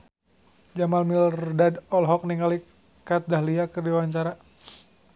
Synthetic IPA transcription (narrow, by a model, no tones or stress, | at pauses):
d͡ʒamalmilrdadɔlɦɔk̚niŋali | kat̪̚daɦliakərdiwaɲt͡ʃaɾa